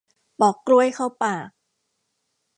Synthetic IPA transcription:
pɔː˨˩kːlu˥˩əjkʰa˥˩wpaː˨˩k̚

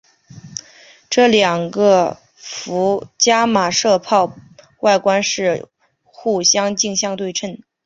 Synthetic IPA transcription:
ʈ͡ʂɤ˥˩ljɑ˨˩ŋɡə˧ | fu˧˥t͡ɕja˥ma˨˩ʂɤ˥˧pʰɑ˥˧ʊ | wa˥˩ɪkwa˥nʂɻ̩˥˧ | xu˥˩ɕjɑ˥ŋt͡ɕi˥˧ŋɕjɑ˥˧ŋt̪we˥˧ɪʈ͡ʂʰə˥˩n

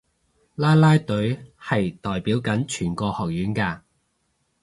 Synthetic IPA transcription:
laː˥jlaː˥jt̪ɵ˨˥ɥhɐ˨jt̪ɔː˨jpiː˨˥wkɐ˨˥nt͡ʃʰyː˨˩nkɔː˧hɔː˨k̚jyː˨˥nkaː˧

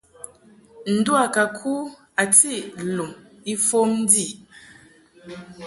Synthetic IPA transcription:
n̩˨˦du˦a˨ka˨kʰu˦ | a˨ti˦˨lu˨m | i˦fo˦m˦di˦˨

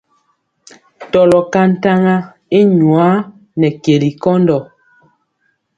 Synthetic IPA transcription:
tɔ˨lɔ˨ka˦n̩˦ta˦ŋa˦ | i˦ɲu˨a˨˦ | nɛ˨ke˨li˨kɔ˦ndɔ˨

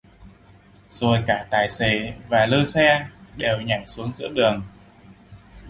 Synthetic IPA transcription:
zo˨˩jkaː˧˩t̪aː˨˩jsḛ˧˩vaː˨˩ləː˧sɛ˧nɗe˨˩wɲa˧˩jsu˨˦əŋzɨ̰˧˥əɗɨ˨˩əŋ

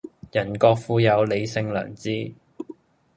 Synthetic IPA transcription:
jɐ˨˩nkɔː˧k̚fuː˧jɐ˨˧wle˨˧jsɪ˧ŋlœ̰ː˨˩ŋt͡siː˥

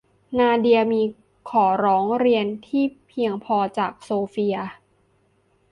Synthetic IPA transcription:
naː˧di˧ɐmiː˧ | kʰɔː˩˦ɾɔː˩˦ŋɾi˧ənt̪ʰiː˥˩pʰi˧əŋpʰɔː˧t͡ɕaː˨˩k̚soː˧fi˧ɐ

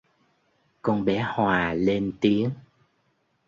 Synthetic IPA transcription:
kɔ˧nɓɛ˨˦hwaː˨˩le˧nt̪i˨˦əŋ

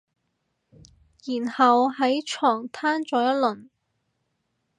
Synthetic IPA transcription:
jiː˨˩nhɐ˨wɦɐ˨˥jt͡ʃʰɔː˨˩ŋt̪ʰaː˥nt͡sɔː˨˧˥jɐ˥t̚lɵ˨˩n

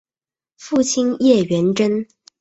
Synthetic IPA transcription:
fu˥˩t͡ɕʰi˥njɛ˥˩ɥɛ˧˥nʈ͡ʂə˥n

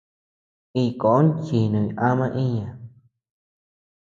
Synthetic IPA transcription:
i˧˨ko˨˦nt͡ʃi˨nũ˨ʔã˦mã˦˧ʔĩ˦ɲã˧˨

